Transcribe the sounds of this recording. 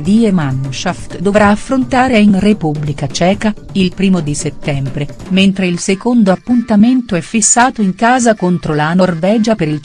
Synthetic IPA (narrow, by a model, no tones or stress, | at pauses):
d̪iemanːʃaft̪d̪ovɾaːfːɾont̪aːɾeinrepubːlikat͡ʃɛːka | ilpɾiːmod̪iset̪ːɛmbɾement̪ɾeilsekond̪oapːunt̪ament̪oɛfːisːaːt̪oiŋkaːzakont̪ɾolanorvɛːd͡ʒapeɾil